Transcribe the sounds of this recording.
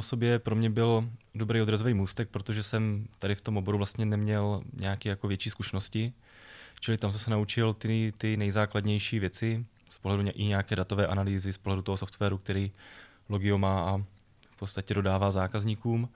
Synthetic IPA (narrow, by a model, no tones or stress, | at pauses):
oso̞bjɛpɾo̞mɲɛbɪldo̞bɾejo̞d̪ɾazovejmuːst̪ɛk̚pɾot̪oʒɛsɛmt̪adɪft̪o̞mʔobo̞ɾuvlast̪ɲɛnɛmɲɛlɲɛakɛːjakovjɛt͡ʃiːskuʃɛnoscɪ | t͡ʃɪlɪt̪amsɛmsɛnaut͡ʃɪlt̪ɪt̪ɪnɛjzaːklad̪ɲɛjʃiːvjɛt͡sɪ | spoɦlɛduɲʔɪɲɛjakɛːdat̪ovɛːʔanaliːzɪspoɦlɛdut̪oɦosoft̪vɛːɾuk̚t̪ɛɾiː | lo̞ɡɪomaːʔa | fpott͡sst̪acɛdo̞daːvaːzaːkazɲiːkuːm